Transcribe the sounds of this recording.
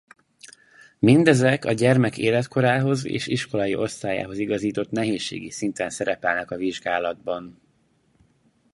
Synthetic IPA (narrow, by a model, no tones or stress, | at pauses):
mind̪ɛzɛkɒɟɛrmɛkeːlɛt̪kʰo̞ɾaːɦo̞zḛːʃiʃko̞lɒjiʔo̞st̪aːja̰ːɦo̞ziɡɒziːt̪o̞t̪nɛɦeːʃːḛːɡisint̪ɛnsɛɾɛpɛlnɛkɒviʒɡaːlɒd̪̚bɒn